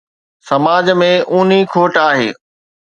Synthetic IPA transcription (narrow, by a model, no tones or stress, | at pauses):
sɐmaːd͡ʑmẽʔuːn̤ikʰoːʈaːɦḛː